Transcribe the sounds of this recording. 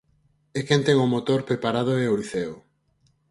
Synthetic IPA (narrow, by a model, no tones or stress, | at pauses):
ekent̪ɛŋʊmot̪oɾpɾepaɾað̞oeoliθeo